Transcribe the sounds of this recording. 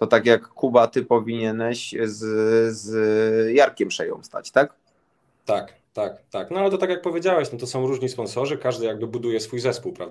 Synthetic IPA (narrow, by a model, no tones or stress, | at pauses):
t̪ɔt̪akjakːubat̪ɘpɔvʲiɲɛnɛɕzzjaɾkʲɛmpʂɛjɔ̰̃w̃st̪a̰t͡ɕt̪ak | t̪ak | t̪akt̪aknɔalɛt̪ɔt̪akʲjak̚pɔvʲjed͡ʑawɛɕnat̪ɔsɔ̃w̃ɾuʐɲispɔnsɔʐɘkaʐd̪ɘjaɡ̚bɘbud̪ujɛsfujzɛspuwpɾa̰vd̪a